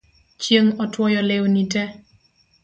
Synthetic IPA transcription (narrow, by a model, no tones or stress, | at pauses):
t͡ʃjeŋɔtwɔjɔlewnitɛ